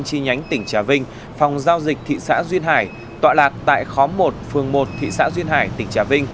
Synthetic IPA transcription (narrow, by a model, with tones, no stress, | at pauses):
ŋt͡ɕi˧ɲa˨˦jŋ̟t̪ï˧˩ŋ̟t͡ɕaː˧˩vï˧ŋ̟ | fa˨˩wŋ͡mzaː˧wzï˨˩k̟̚t̪ʰḭ˧˨sa̰ː˧˥zwi˧ənɦaː˧˩j | t̪wa̰ː˧˨laː˨˩t̚t̪a̰ː˧˨jxɔ˨˦mo˨˩t̚fɨ˨˩əŋmo˨˩t̚t̪ʰḭ˧˨sa̰ː˧˥zwi˧ənhaː˧˩jt̪ï˧˩ŋ̟t͡ɕaː˧˩vï˧ŋ̟